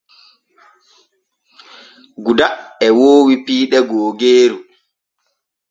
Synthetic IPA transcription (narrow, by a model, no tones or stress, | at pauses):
ɡudaɛwoːwipiːɗɛɡoːɡeːɾu